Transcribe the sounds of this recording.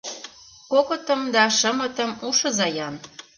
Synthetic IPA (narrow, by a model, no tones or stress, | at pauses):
kokɤ̆t̪ɤ̆md̪ɑʃə̆mɤ̆t̪ə̆muʃɤ̆zɑjɑn